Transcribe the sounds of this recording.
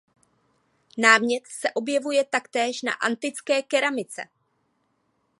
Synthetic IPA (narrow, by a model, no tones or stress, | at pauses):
naːmɲɛt̪sɛʔo̞bjɛvujɛt̪akt̪ɛːʃna̰ʔant̪ɪt͡skɛːkɛɾamɪt͡sɛ̰